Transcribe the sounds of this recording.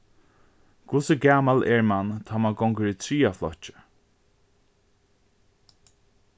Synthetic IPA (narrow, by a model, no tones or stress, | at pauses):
kʰʊsəɡaːmalʔɛɹmant̪ʰaːmaɡɔŋkəɹit̪ʰɹiːaflɔ̰ht͡ʃɪ̥